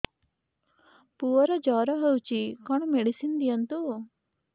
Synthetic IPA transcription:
puɔɾɔd͡ʒɔɾɔɦəwt͡ʃikɔɳ̃meɽisind̪ijant̪u

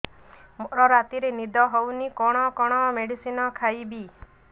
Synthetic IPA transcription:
moɾɔɾat̪iɾenid̪ɔɦownikɔɽ̃ɔkɔɽ̃ɔmeɽisinɔkʰajbi

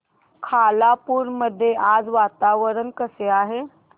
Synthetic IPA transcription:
kʰalapuɾməd̪ʱːjeʔad͡zʋat̪aʋəɾənkəseaɦe

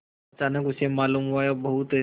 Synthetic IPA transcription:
ɐt͡ʃaːnəkʊsemaːluːmɦuajabɐɦut̪

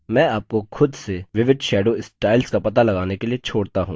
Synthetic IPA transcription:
mɛ̃ːaːp̚koxʰʊd̪seʋɪʋɪd̪ʃɛːɖoːɪsʈaːɪlskapɐt̪alɐɡaːnekeliet͡ʃʰoːɽt̪aɦũː

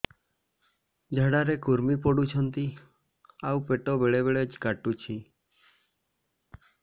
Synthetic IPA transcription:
d͡ʒʱaɽaɾekuɾmipɔɽut͡ʃʰɔnt̪i | awpeʈɔbeɭeβeɭed͡ʒkaʈut͡ʃʰi

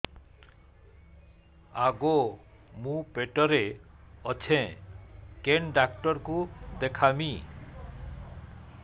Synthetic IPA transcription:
aɡo | mũpeʈɔɾeɔt͡ɕʰẽ | kenɖakʈɔɾkud̪ekʰami

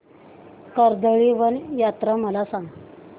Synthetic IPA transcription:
kəɾd̪əɭiʋənjat̪ɾaməlasaŋɡ

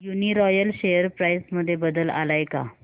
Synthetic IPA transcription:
juniɾɔjəlɕejəɾpɾajsməd̪ʱːjebəd̪əla̰lajka̰

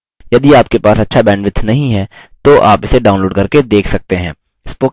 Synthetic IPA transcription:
jɐd̪iaːp̚kepaːsɐtːʃʰabɛ̃ːɳɖʋɪt̪ʰːnɐɦĩɦɛ | t̪oʔa̰ːpɪseɖaːʊnloːɖkɐɾked̪eːkʰsɐk̚t̪eɦɛ̃ː | ɪspʊ

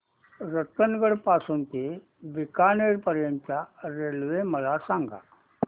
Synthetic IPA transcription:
ɾət̪ːənɡəɽpasuːnt̪e | bikaneɾpəɾjənt̪jaɾelʋeməlasãŋɡa̰

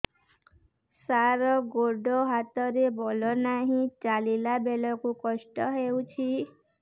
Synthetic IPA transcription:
saɾɔɡoɖɔɦat̪ɔɾebɔlɔnaɦĩt͡ʃalilabelɔkukɔʃʈɔɦeuwt͡ʃʰi

